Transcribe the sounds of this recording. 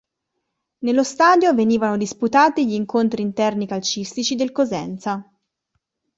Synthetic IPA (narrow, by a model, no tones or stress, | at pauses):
nelːost̪aːd̪joveniːvanod̪isput̪aːt̪iʎiːŋkont̪ɾiːnt̪ɛrnikalt͡ʃist̪it͡ʃid̪elkozɛ̰nt̪sa